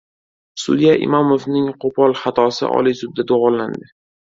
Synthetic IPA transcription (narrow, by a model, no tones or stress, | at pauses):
sʊ̰d̪ijaʔɪ̰mɒmovnɪŋqʰopʰɒlˠχɑt̪ʰɒsɪ̰ʔɒ̰lisʊd̪̚ːad̪oʁɒlland̪ɪ